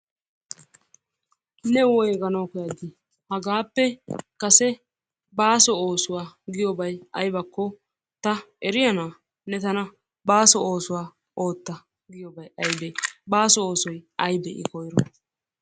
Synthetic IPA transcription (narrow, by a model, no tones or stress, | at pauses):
nɛwɔjɡɐnɐwkɔjad̪ɪ | hɐɡaːpːɛkɐsɛ | baːsɔoːsʊwaːɡɪjɔbɐjɐjbɐkːɔ | t̪ɐ | ɛɾɪjɐnaː | nɛt̪ɐnɐ | baːsɔo̞ːsʊwaː | o̞ːt̪ːɐ | ɡɪjɔbɐjɐjbɛbaːsɔoːsɔjɐjbɛʔɪ̰kɔjɾɔ